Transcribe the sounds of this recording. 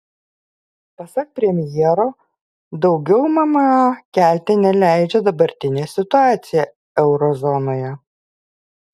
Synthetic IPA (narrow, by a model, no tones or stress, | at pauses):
pɐsɐk̚pʲɾʲɛmʲjiɛɾoː | d̪ɒʊɡʲɛʊmɐmɐkʲæˑlʲt̪ʲenʲɛlʲæˑɪd͡ʒʲɛd̪ɐbɐɾʲt̪ʲɪnʲeːsʲɪt̪ʊɑːt̪sʲɪjɛ | ɛʊɾɔzɔnoːjɛ